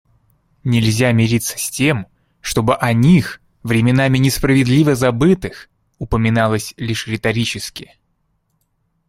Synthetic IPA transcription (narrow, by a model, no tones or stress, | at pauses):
nʲɪlʲzʲamʲɪɾʲit̪sːə̥sʲtʲe̞m | ʂt̪o̞bɨʔɐnʲix | vɾʲɪmʲɪnamʲɪnʲɪspɾəvʲɪd̪lʲivəzɐbɨt̪ɨx | ʊpəmʲɪnalˠəsʲlʲiʂɾʲɪt̪ɐɾʲit͡ɕɪskʲɪ